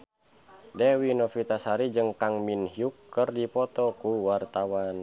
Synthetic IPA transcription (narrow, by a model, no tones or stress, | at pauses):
dɛwinɔfit̪asaɾid͡ʒɨŋkaŋminɦiukːɨrdipɔt̪ɔkuwart̪awan